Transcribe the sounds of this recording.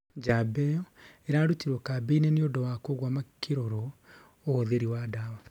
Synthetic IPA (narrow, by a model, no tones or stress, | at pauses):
d͡ʒabɛɔeɾaɾutiɾwɔkabeineneodowakoɣwamakʰeɾɔɾɔ | oːðeɾiwaːdaːwa